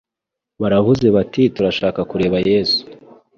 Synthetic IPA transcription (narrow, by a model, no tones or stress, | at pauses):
βaɾavuze̞βatituɾaʃaːkakuɾe̞ːβaje̞ːzu̥